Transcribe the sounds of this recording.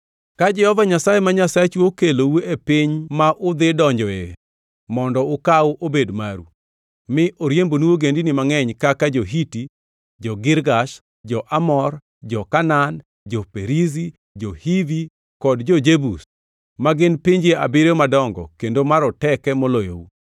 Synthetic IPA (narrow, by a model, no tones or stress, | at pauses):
kad͡ʒɛhɔvaɲasajemaɲasaet͡ʃuokelouepɪɲmaʔʊd̪ɪdɔɲd͡ʒɔe | mɔndɔʊkawʔobedmaɾṵ | mɪʔoɾjembonuwoɡendinɪmaŋɛɲkakad͡ʒoɦiti | d͡ʒɔɡɪɾɡaʃ | d͡ʒɔʔamɔr | d͡ʒɔkanan | d͡ʒɔpeɾizi | d͡ʒɔhivi | kɔdd͡ʒɔd͡ʒebus | maɡɪnpiɲd͡ʒea̰bɪɾemadɔŋɡɔ̰kendomaɾɔtɛkɛmolojo̰ṵ